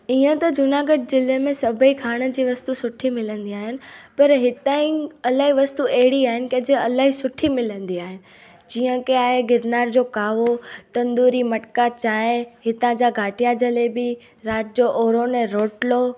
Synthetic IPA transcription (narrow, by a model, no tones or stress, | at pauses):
iːə̃t̪ɐd͡ʑʊnaːɡəʈ̚zɪlemẽsɐbʱəikʰaːɽ̃ə̆d͡ʑiːʋɐst̪usʊʈʰimɪlə̃nd̪iaːɦɪnɪ̆pɐɾɦɪt̪aːĩɐlaːɦiʋɐst̪uɐɦɪɽiaːɦɪnɪ̆kɐ̃d͡ʑeɐlaːɦisʊʈʰimɪlə̃nd̪iaːɦɪnɪ̆ | d͡ʑiːə̃keaːɦeɡɪɾnaːɾd͡ʑoːkaːʋot̪ɐ̃nd̪uːɾimɐʈkat͡ɕaːɦẽɦɪt̪ãd͡ʑaɡʱaːʈijad͡ʑɐlebɪ | ɾaːʈd͡ʑoːʔoːɾonɛ̃ɾoːʈlo